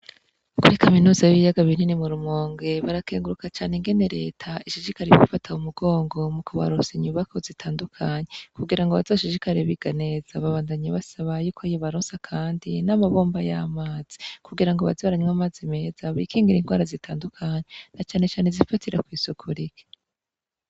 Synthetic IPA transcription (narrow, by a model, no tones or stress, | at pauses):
kuɾikʰaminuːzajiβijaɡaβininimuɾumŋoːŋɡe̞βaɾakeːŋɡuɾukat͡ʃaːneŋɡe̞ne̞ɾe̞̰ːtʰaiʃiʃikaɾiβṵfatʰaumuɡo̞ːŋɡo̞mukʰoβa̰ɾosiɲuβakʰo̞zitʰaːndukʰaɲekuɡiɾaŋɡoβazoʃiʃikaɾeβiɡ̥ane̞ːzaβaβaːndaɲaβasaβajuːkʰojoβaɾoːnsakʰaːndinamaβo̞ːmbajamaːz̥i̥kuɡiɾaŋɡoβa̰zoβɾaɲmamaːzime̞ːzaβḭkʰiːŋɡiɾiŋɡwaːɾazitʰaːndukʰaɲenat͡ʃaːne̞t͡ʃaːnezifatiɾakwiːsukʰuɾike̥